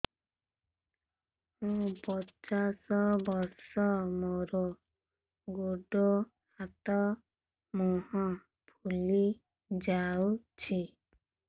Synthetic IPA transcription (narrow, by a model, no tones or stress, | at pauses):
mũpɔt͡ʃasɔbɔɾsɔmoɾɔ | ɡoɖo | hat̪ɔ | mɔɦɔ̃ | pʰuli | d͡ʒawt͡ʃʰi